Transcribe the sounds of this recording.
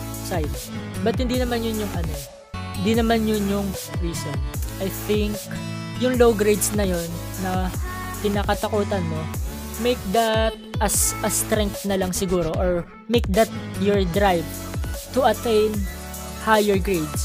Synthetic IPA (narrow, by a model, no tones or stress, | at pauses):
sajd̪bɐt̪̚hɪnd̪inɐmanjʊnjʊŋʔɐno | hɪnd̪inɐmanjʊnjʊŋɹiːsonʔɐjθɪŋk | jʊŋlowɡɾejd̪snɐjonːɐ | t̪ɪnaːkɐt̪ɐkuːt̪ɐnmo | mejk̚d̪ɐt̪̚ʔɐsʔɐst̪ɾɛŋk̚t̪nɐlɐŋsɪɡuːɾo̞ʔoɹ | mejk̚d̪ɐt̪̚jɔɹd̪ɹajvt̪ʊʔɐt̪ɛjn | hajɛɹɡɹed̪s